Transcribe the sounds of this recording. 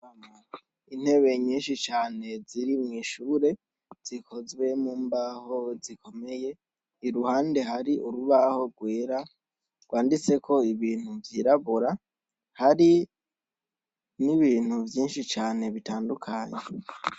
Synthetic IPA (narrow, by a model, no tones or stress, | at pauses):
ama | in̥he̞βe̞ɲiːnʃit͡ʃaːne̞ziɾimŋiːʃuːɾe̞ | z̥ikʰo̞zwe̞muːmbaho̞zikʰo̞me̞je̞ | iɾuhaːnde̞ɦaɾiʔuɾuβaho̞ɾɡwe̞ːɾa | ɡwaːndit͡se̞kʰo̞iβiːn̥huvjiɾaβuɾa | haɾi | niβiːn̥huvjiːnʃit͡ʃaːne̞βitaːndukʰaɲe